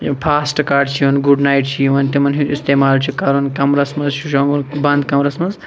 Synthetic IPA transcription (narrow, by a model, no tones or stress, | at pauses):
pʰaːsʈkaːɾɖt͡ʃʰiunɡuɖnaːjʈt͡ʃʰijuʋɐnt̪imɐnɦiist̪eːmaːlt͡ʃʰukɐɾunkɐmɾɐsmɐzʃʰuʃõːŋɡunbɐnd̪kɐmɾɐsmɐnz